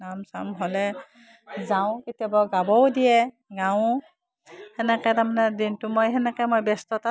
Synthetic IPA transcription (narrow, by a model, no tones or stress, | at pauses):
namsa̰mɦɔlɛ | zaʊ̃kitjabaɡabɔwdijɛ | ɡaʊ̃ | hɛnɛkɛtamanɛdintʊmojɦɛnɛkɛmojbɛstɔta